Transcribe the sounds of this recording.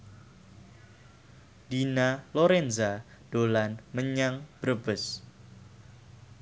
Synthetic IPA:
d̥inaloɾɛnza | d̥olanməɲaŋb̥ɾb̥əs

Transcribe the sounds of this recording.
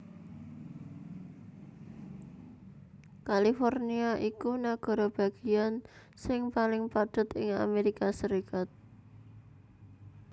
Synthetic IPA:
kalifɔrniaʔikunaɡ̥ɔ̤ɾɔb̥a̤ɡ̥ian | sɪŋpalɪŋpad̪̥ʊ̤t̪ɪŋa̰meɾikasəɾikat̪̚

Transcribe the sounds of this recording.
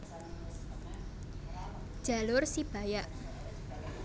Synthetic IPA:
d̥ʒ̥a̤lʊrsib̥a̤jaʔ

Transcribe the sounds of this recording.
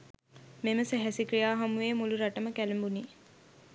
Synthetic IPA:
meməsæɦæsikɾijaːɦamuʋeːmuluɾaʈəməkælembuniː

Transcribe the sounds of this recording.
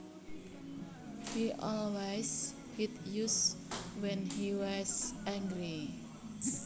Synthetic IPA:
hiʔɔlwajs | hit̪juswɛ̃nhiwasɛ̃ŋɡɾi

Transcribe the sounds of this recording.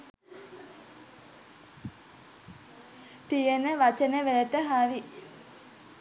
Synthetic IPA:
t̪ijənəʋat͡ʃənəʋelət̪əɦaɾi

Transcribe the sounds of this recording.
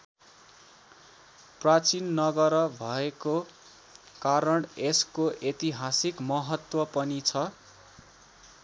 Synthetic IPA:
prat͡sinːʌɡʌɾʌbʱʌeko | kaɾʌɳeskoʔet̪iɦasikmʌɦʌt̪wʌpʌnit͡sʰʌ

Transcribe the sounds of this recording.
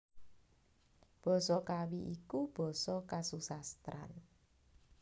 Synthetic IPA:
b̥ɔ̤sɔkawiʔikub̥ɔ̤sɔkasusast̪ɾa̰n

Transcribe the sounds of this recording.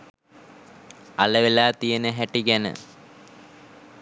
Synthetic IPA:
aləʋelaːt̪ijənəɦæʈiɡænə̰

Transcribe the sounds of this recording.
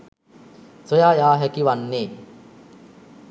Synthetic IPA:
sojaːjaːɦɛkiʋanːeː

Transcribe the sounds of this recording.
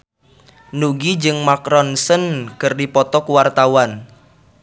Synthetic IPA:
nuɡid͡ʒɨŋmakɾɔnsənkɨrdipɔt̪ɔkwart̪awan

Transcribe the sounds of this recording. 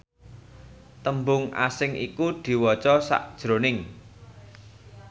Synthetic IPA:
t̪əmbʊŋʔa̰sɪŋʔḭkud̪̥i̤wɔt͡ʃɔsa̰ʔd̥ʒ̥ɾo̤nɪŋ

